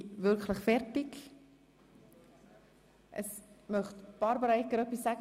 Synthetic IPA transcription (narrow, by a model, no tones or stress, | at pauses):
vʏɾkləχfɛrtɪk | ʔə̰smœχtb̥ɑɾbəɾaɪkəɾœpisːæɡ